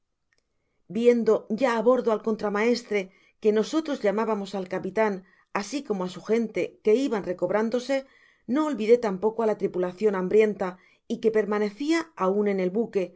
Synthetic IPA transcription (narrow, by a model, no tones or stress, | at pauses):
bje̞nd̪o̞ɟ͡ʝaːβo̞ɾðoalko̞nt̪ɾamae̞st̪ɾe̞ | ke̞no̞so̞t̪ɾo̞zʎamaβamo̞salkapit̪an | asiko̞moasuxe̞nt̪e̞ke̞iβanre̞ko̞β̞ɾand̪o̞se̞ | no̞ːlβiðe̞t̪ampo̞koalat̪ɾipulaθjo̞nãmbɾje̞nt̪a | ike̞pe̞ɾmane̞θiaaune̞ne̞lβuke̞